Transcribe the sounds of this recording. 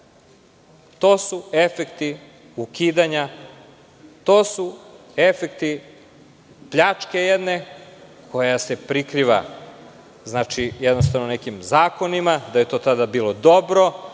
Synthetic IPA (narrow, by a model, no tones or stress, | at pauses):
t̪o̞ːsue̞fekt̪i | ukiːd̪aɲa | t̪o̞ːsu | e̞fekt̪i | pʎat͡ʂke̞jed̪neko̞jase̞pɾikɾiːʋa̰ | znaːt͡ʃijed̪nost̪aʋnone̞kimzaːko̞nimad̪aje̞t̪o̞ːt̪ad̪abiːlˠo̞d̪o̞bɾo̞